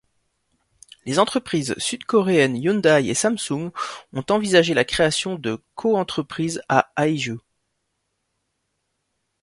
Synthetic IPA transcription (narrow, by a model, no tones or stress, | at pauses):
lezɑ̃t̪χəpχizsyd̪kɔʁeɛnjɔnd̪ajḛsamsuŋɡɔ̃t̪ɑ̃vizaʒelakχeasjɔ̃d̪əkʰoɑ̃t̪χəpχizaaiʒø